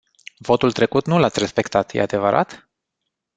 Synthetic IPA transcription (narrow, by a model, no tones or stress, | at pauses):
vo̞t̪ult̪ɾe̞kut̪nulat̪sʲrespe̞kt̪at̪jḛad̪e̞vəɾa̰t̪